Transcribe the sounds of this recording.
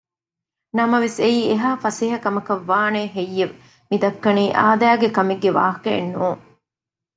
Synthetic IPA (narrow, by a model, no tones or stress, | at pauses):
nɐmɐʋeseiːeɦaːfɐsiɦɐkɐmɐkɐʋːaːneːɦejːeʋ | mid̪ɐkːɐniːʔa̰ːd̪æːɡekɐmeɡːeʋa̰ːɦɐkɐ̰ːnːuːŋ